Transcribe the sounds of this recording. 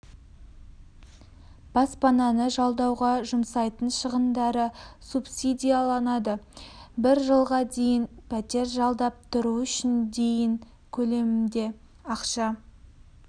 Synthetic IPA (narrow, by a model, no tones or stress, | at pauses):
b̥ɑspɑnɑnəʒɑlˠd̪ɑwʁɑʒʊmsɑjt̪ənʃəʁənd̪ɑɾəsupsid̪ijalˠɑnɑd̪əbɪɾʒəlˠʁɑd̪e̞jɪnpʰæt̪e̞ɾʒɑlˠd̪ɑp̚t̪ʰʊɾuʏʃɪnd̪e̞jɪŋ | kʲʰɵle̞mɪmd̪e̞ | ɑqʃɑ